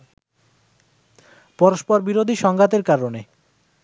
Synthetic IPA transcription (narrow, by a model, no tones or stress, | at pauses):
pɔɾoʃpɔɾbiɾod̪ʱiʃɔŋɡat̪eɾkaɾone